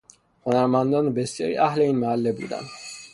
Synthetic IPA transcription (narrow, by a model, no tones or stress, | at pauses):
χɔnaɾmand̪ɔnbɛsiɛ̰ɾḭʔaɦlɛinmaːlːɛblḭd̪a̰n